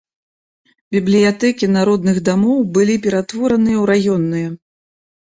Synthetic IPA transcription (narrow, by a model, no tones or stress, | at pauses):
bʲiblʲijat̪ɛkʲinaɾɔd̪nɨɣd̪amɔwbɨlʲipʲɛɾat̪vɔɾɐnɨjɐwɾajɔnːɨjɛ